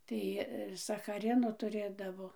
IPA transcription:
ˈtɐɪ sɐxɐˈrʲɪnoː tʊˈrʲeːdɐʋoː

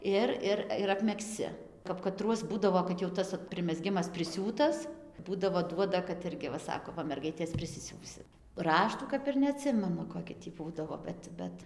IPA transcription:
ˈɪr ˈɪr ɪr ɐpʲmʲɛksʲˈt͡sʲɪ kɐp kɐˈtruɔs ˈbuːdɐʋoː kɐt jɛʊ ˈoːt ˈtɐs pʲrʲɪmʲɛˈzʲɡʲɪmɐs pʲrʲɪˈsʲuːtɐs ˈbuːdɐʋoː ˈduɔdɐ kɐt ˈɪrʲɡʲɪ ʋɐ ˈsɑːkoː ˈʋɐ ˈmʲɛrɡɐɪtʲeːs pʲrʲɪsʲɪˈsʲuːsʲɪt ˈrɑːʃtuː kɐp ɪr nʲɛɐˈtʲsʲɪmʲɛnʊ koːˈkʲɪ tʲiː ˈbuːdɐʋoː ˈbʲɛt ˈbʲɛt

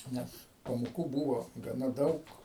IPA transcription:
ˈnʲɛs pɐmoːˈkuː ˈbuːʋoː ɡɐˈnɐ ˈdɐʊk

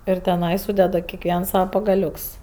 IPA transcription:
ɪr tʲɛˈnɐɪ ˈsuːdʲɛdɐ kʲɛkˈʋʲiɛns ˈsɑːʋɐ pɐɡɐˈlʲʊks

